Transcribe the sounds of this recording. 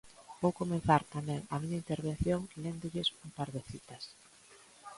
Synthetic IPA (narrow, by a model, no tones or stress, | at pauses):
b̥owkomen̟θaɾt̪amɛ̃ŋɐmiɲɐint̪eɾβẽn̟θjoŋlend̪ʊʎɪsumpaɾðɪθit̪ɐs